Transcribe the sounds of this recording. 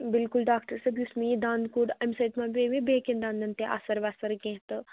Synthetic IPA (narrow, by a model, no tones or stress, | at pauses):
bɪlkʊlɖaːkʈɐɾsɐbjusmĩjid̪ãːnd̪kuɖɐmsɐt̪mãbeːʋĩbekẽnd̪ãːnd̪ɐnt̪eʔa̰sɐɾʋaːsɐɾɡẽːɦt̪